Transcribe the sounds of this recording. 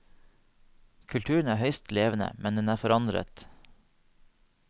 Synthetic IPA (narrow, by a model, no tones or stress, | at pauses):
kʰʉlt̪ʰʉːəɳ̩æːɾhœʏst̪leːʋənə̰mɛnd̪ɛnæːfɔɾɑnd̪ɾə̰t̪